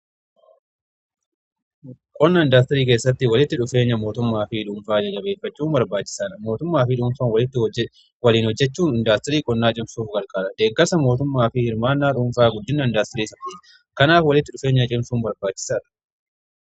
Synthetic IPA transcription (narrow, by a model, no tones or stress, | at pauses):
kʼɔnːɐnd̪aːst̪ɐɾiːkeːsːɐt̪ːɪwɐlɪt̪ːɪᶑʊfe̞ːɲːɐmo̞ːt̪ʊmːaːfɪᶑʊːmfaːd͡ʒɐt͡ʃːɐbe̞ːfːɐt͡ʃːuːmbɐɾbaːt͡ʃːɪ̥saːᶑɐmo̞ːt̪ʊmːaːfɪᶑʊːmfanwɐlɪt̪ːɪ | wɐliːnhɔd͡ʒːɛt͡ʃːuːnɪnd̪aːst̪ɪɾiːkʼɔnːaːt͡ʃʼɪmsuːfɡɐɾkʼaːɾɐd̪̥eːɡːɐsɐmo̞ːt̪ʊmːaːfɪɪɾmaːnːaːᶑʊːɱfaːɡʊd̪ːɪnːɐnd̪aːst̪ɛɾiːsɐt̪ːiːᶑ | kɐnaːfwɐlɪt̪ːɪᶑʊfeːɲːɐt͡ʃʼɪmsuːmbɐɾbaːt͡ʃːɪ̥saːᶑɐ̥